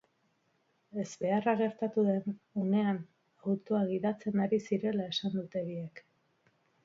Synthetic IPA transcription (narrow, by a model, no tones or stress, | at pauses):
e̞zβe̞araɣe̞ɾt̪at̪uðe̞none̞an | awt̪oaɣiðat͡se̞naɾisiɾe̞lae̞sand̪ut̪e̞βiek